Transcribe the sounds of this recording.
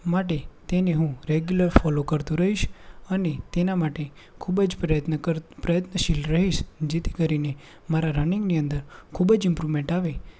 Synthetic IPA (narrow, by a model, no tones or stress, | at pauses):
maʈ̬et̪eneɦũɾeɡjuləɾfɔlokəɾt̪ũɾəɦiʃənet̪enamaʈekʰubəd͡ʒpɾəjət̪nəkəɾpɾəjət̪nəʃilɾəɦiʃd͡ʒet̪ʰi̥kəɾine | maɾaɾəniŋɡniənd̪əɾkʰubəd͡ʒɪmpɾuʋmẽɳʈaʋe